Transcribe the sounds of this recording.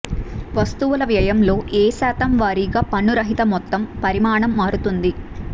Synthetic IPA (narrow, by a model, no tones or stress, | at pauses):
ʋɐst̪uʋulɐʋjɐjɐmlo̞ːʔeːsaːt̪ɐmʋaːɾiːɡaːpɐnːuɾɐɦit̪ɐmɔt̪ːɐmpɐɾimaːɳɐmːaːɾut̪und̪i